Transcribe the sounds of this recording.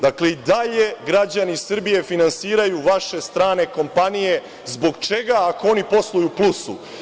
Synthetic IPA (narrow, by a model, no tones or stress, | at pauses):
d̪akleid̪aʎe̞ɡɾad͡ʑanisr̩bije̞finansiːɾajuʋaʃe̞st̪ɾaːne̞ko̞mpanije̞ | zbo̞ɡt͡ʃe̞ɡaːkoo̞nipo̞slˠujuplusṵ